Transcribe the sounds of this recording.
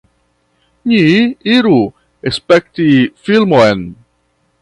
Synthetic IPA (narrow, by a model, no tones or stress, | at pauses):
niiɾu | espek̚tifilmoen